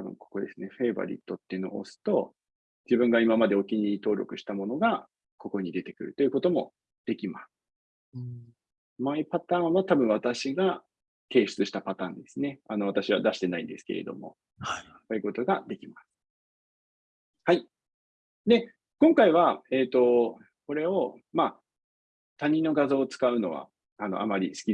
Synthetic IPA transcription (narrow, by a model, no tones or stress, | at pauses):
t̪abɯ̟̰̃ŋko̞̥ko̞d̪e̞sɨne̞ɸe̞ːba̰ɾʲḭt̪ːo̞t̪ːenoo̰sɨ̥t̪o̞ | d͡ʑibɯ̟̃ŋɡaimamad̪e̞okʲiɲ̟iit̪o̞ːɾʲo̞̰kɯ̟ɕi̥t̪amo̞no̞ɡa | ko̞ko̞ɲ̟id̪e̞t̪e̞kɯ̟ɾɯ̟t̪o̞jɯ̟ko̞t̪o̞mo̞̰ | d̪̥e̞kʲimasɨ̥ | maipat̪ãːɰ̃at̪abɯ̟̃ɰ̃βat̪aɕiɡa | k̪e̞ːɕɨ̥t͡sɨɕi̥t̪apat̪ãːnd̪e̞sɨne̞ano̞β̞at̪aɕiβad̪aɕi̥t̪e̞naḭ̃nd̪e̞sɨ̥ke̞ɾe̞d̪o̞̰mo̞̰ | kojɯ̟ko̞t̪o̞ɡad̪e̞kʲimasɨ̥ | hai | d̪e̞ | kõ̞ŋkaiβae̞ːt̪ːo̞ | ko̞ɾe̞o̞ma | t̪aɲ̟ĩnːo̞ɡazo̞ːt͡sɨ̥kaɯ̟no̞β̞a̰ | ano̞̰ʔa̰maɾʲḭsɨ̥kʲi